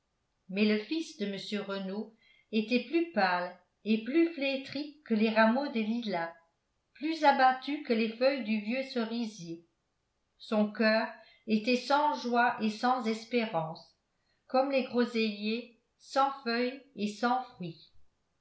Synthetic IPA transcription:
mɛləfisd̪əməsjøʁəno | et̪ɛplypal | eplyflet̪χikːəleʁamod̪əlila | plyzabat̪ykəlefœjd̪yvjøsəʁizje | sɔ̃kœːʁ | et̪ɛsɑ̃ʒwaʔesɑ̃zɛspeʁɑ̃s | kɔmleɡʁozelje | sɑ̃fœjesɑ̃fχɥi

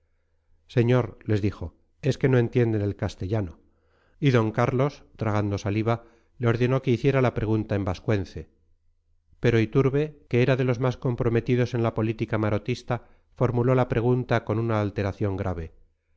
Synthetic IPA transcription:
se̞ɲo̞ɾle̞zðixo̞ | e̞ske̞no̞ent̪je̞nd̪e̞ne̞lkast̪e̞ʎano̞ | iðo̞ŋkaɾlo̞st̪ɾaɣ̞and̪o̞saliβa | leo̞ɾðe̞no̞ke̞iθje̞ɾalapɾe̞ɣ̞unt̪ae̞mbaskwe̞nθe̞ | pe̞ɾo̞it̪uɾβe̞ke̞eɾaðe̞lo̞zmasko̞mpɾo̞me̞t̪iðo̞se̞nlapo̞lit̪ikamaɾo̞t̪ist̪a | fo̞ɾmulo̞lapɾe̞ɣ̞unt̪ako̞nunaːlt̪e̞ɾaθjo̞ŋɡɾʔaβe̞

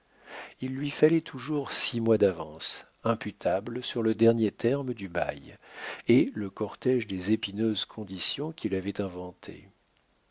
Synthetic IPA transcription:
ilːɥifalɛt̪ʰuʒuʁsimwad̪avɑ̃s | ɛ̃pyt̪ʰabləsyʁləd̪ɛʁnjet̪ʰɛʁmd̪yba̰jeləkɔʁt̪ɛʒd̪ezepinøzkʰɔ̃d̪isjɔ̃kʲʰilavɛt̪ɛ̃vɑ̃t̪ʰḛ

